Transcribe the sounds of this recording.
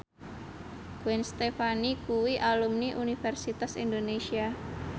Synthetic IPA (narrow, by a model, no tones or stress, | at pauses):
ɡ̥uɛnst̪efanikuwiʔalumniʔunifɛrsit̪asḭnd̪onesia